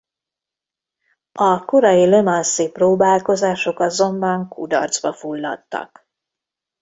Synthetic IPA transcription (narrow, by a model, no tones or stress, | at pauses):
ɒkoɾɒjilemɒnsiproːbaːlko̞zaːʃo̞kɒzo̞mbɒŋkud̪ɒ̰rd̪zbɒfulːɒ̰t̪ːɒ̰k